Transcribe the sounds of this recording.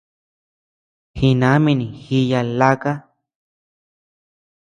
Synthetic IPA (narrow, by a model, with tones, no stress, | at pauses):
hi˧nã˨˦mĩ˧nĩ˨xi˧ja˧la˧ka˦